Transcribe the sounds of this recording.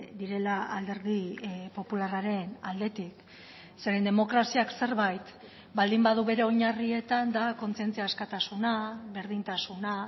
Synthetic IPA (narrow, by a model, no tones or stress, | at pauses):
d̪iɾe̞laald̪e̞ɾðipo̞pularaɾe̞nald̪e̞t̪ik | se̞ɾend̪e̞mo̞kɾasiakse̞ɾβajt̪ | bald̪imbaðuβe̞ɾe̞o̞ɲarie̞t̪and̪ako̞nt͡sie̞nt͡siaːskat̪asunaβe̞ɾðint̪asuna